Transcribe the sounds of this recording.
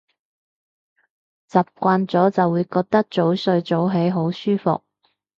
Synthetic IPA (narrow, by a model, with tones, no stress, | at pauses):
t͡sɐ˨p̚kʷaː˧nt͡sɔː˨˥t͡sɐ˨wːuː˨˧jkɔː˧k̚t̪ɐ˥k̚t͡so˨˥wsɵ˧ɥt͡so˨˥wɦe˨˥jɦo˨˥wsyː˥fʊ̰˨k̚